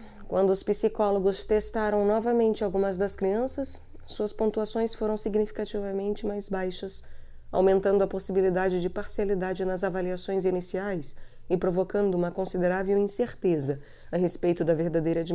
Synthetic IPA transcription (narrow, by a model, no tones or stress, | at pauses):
kwɐ̃nd̪ʊʊspisikɔloɡʊst̪est̪aɾɐ̃w̃nɔvɐmẽnt͡ʃɪawɡũmɐzd̪ɐskɾiɐ̃sɐsː | uɐspõnt̪uasõj̃sfoɾɐ̃w̃siɡnifi̥kat͡ʃivɐmẽnt͡ʃɪmajzbajʃɐs | a̰wmẽnt̪ɐ̃nd̪ʊɐposibilid̪ad͡ʒɪd͡ʒɪpaɾsialid̪ad͡ʒɪnɐzavaliasõj̃zinisiajs | ɪpɾovokɐ̃nd̪ʊũmɐkõsid̪eɾavewĩseɾt̪ezɐ | ɐɦespejt̪ʊd̪ɐveɾd̪ad̪ejɾɐd͡ʒi